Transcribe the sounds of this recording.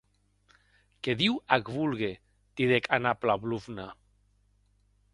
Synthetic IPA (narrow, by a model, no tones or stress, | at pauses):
keðiwakβulɣe | t̪iðekʰanaplaβluvna